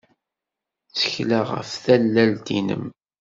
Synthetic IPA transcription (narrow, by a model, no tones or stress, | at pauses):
t͡sːə̥çlæʁə̰fθælːælt̪inə̰m